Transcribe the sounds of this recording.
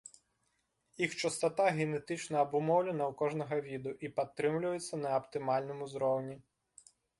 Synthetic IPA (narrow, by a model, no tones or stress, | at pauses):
jixt͡ʃɐst̪ɐt̪aɣʲenet̪ɪt͡ʃnɐːbʊmɔwlʲɛnɐwkɔʒnɔɣɐʋʲid̪ʊʔipɐt̪ːɾɪmlʲʊjet͡ssʲːɐnɐɐpt̪ɪmɑlʲnɔmʊzɾɔwnʲi